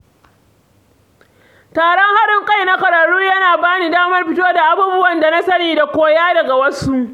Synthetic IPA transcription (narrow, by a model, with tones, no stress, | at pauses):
taː˨ɽɔ˦ŋha˦ɽɪ˦ŋkʼa˦jna˦kɐ˨ɾɐ˨ɽuː˦jɐ˦naː˨baː˦ni˨daː˦mɐ˦rɸɪ˦toː˦da˨ʔa˦buː˦bʊ˦wɐ˨nda˨na˦sɐ˦niː˨da˨kʷoː˦jaː˦dɐ˨ɡa˨wɐ˦su˦ʔ